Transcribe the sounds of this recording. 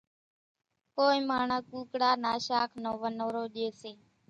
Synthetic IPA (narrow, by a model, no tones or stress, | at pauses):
koːiːmaːɳaːkuːkɽaːnaːʃaːkʰnoːʋənoːɾoːɗeːseː